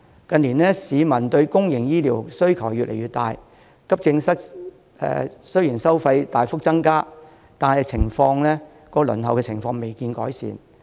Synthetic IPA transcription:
kɐ˧nliː˨˩nlɛː˥siː˨˧mɐ˨˩nt̪ɵ˧ɥkʊ˥ŋjɪ˨˩ŋjiː˥liː˨˩wsɵ˥ɥkʰɐ˨˩wjyː˨tlʔḛ˨˩jɥyː˨t̪aː˨˧j | kɐ˥p̚t͡sɪ˧ŋsɐ˥k̚ | ɛ̰ː˨˧sɵ˥ɥjiː˨˩nsɐ˥wfɐ˧jt̪aː˨jfʊ˥k̚t͡sɐ˥ŋkaː˥ | t̪aː˨nɐ˨˧jt͡sʰɪ˨˩ŋfɔː˧ŋlɛː˥ | kɔː˨˥lɵ̰˨˩nɦɐ˨wkɛː˧t͡sʰɪ˨˩ŋfɔː˧ŋme˨jkiː˧nkɔ̰ː˨˥jsḭː˨n

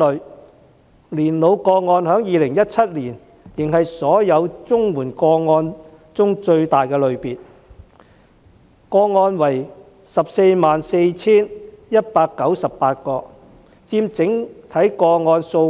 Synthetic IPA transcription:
ɵ˨˧ | liː˨˩nlo˨˧wkɔː˧ŋɔː˧nhœː˨˥ŋjiː˨˧lɪ˨˩ŋjɐ˥t̚t͡sʰɐ˥t̚liː˨˩n | jɪ˨˩ŋɦɐ˨jsɔː˨˥jɐ˨˧wt͡sʊ˥ŋwuː˨˩nkɔː˧ŋɔː˧n | t͡sʊ˥ŋt͡ʃɵ˧ɥt̪aː˨jkɛː˧lɵ˨˧ɥpiː˨t̚ | kɔː˧ŋɔː˧nwɐ˨˩j | sɐ˨p̚se˧jmaː˨nse˧jt͡sʰiː˥njɐ˥t̚paː˧kːɐ˨˥wsɐ˨ppaː˧t̚kɔː˧ | t͡siː˧mt͡sɪ˨˥ŋt̪ʰɐ˨˥jkɔː˧ŋɔː˧nso˧w

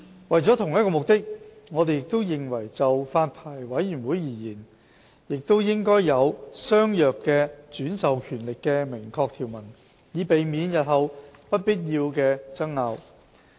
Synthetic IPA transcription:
wɐ˨jt͡sɔ˨˥t̪ʰʊ˨˩ŋjɐ˥t̚kɔː˧mʊ˨k̚t̪ɪ˥k̚ | ŋɔ˨˧t̪e˨jɪ˨k̚t̪o˥wjɪ˨˩ŋwɐ˨˩jt͡sɐ˨wfaː˧npʰaː˨˩jwɐ˨˥jɥyː˨˩nwuː˨˥jjiː˨˩jiː˨˩n | jɪ˨k̚t̪o˥wjɪ˥ŋkɔː˥jjɐ˨˧wsœː˥ŋjœː˨kːɛː˧t͡syː˨˥nsɐ˨wkʰyː˨˩nlɪ˨kːɛː˧mɪ˨˩ŋkʰɔː˧k̚t̪ʰi˨˩wmɐ˨˩n | jiː˨˧pe˨jmiː˨˧njɐ˨t̚hɐ˨wpɐ˥t̚piː˥t̚jiː˧wkɛː˧t͡sɐ˥ŋŋaː˨˧w

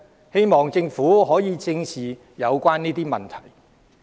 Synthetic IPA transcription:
he˥jmɔː˨˩ŋt͡sɪ˧ŋfuː˨˥ɦɔː˨˥jiː˨˧t͡sɪ˧ŋsʰiː˨˩ | jɐ˨˧wkʷaː˥nniː˥t̪iː˥mɐ˨˩nt̪ʰɐ˨˩j

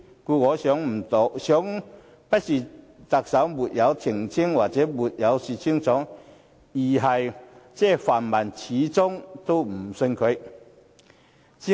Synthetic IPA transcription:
ku˧kɔ˨˧sjɔ˨˥ŋm̩˨˩t̪o˨˩sjɔ˨˥ŋ | pɐ˥t̚si˨˩ | t̪a˨k̚sa˨˥wmu˨˩t̚ja˨˧˦wtʰi˨˩ŋt͡sʰi˥ŋwa˨˩k̚t͡sɛː˨˥mu˨t̚ja˨˧˦wsi˨˩t͡ɕʰi˧˥ŋt͡sɔ˨˥ŋ | i˨˩ɦɐ˨˩jt͡sɛ˥˧fa˨˩nma˨˩nt͡ɕʰiː˨˦t͡sʊ˥ŋt̪o˥m̩˨˩sə˧nkʰə˨˧˥ | t͡ɕʰi˧˥

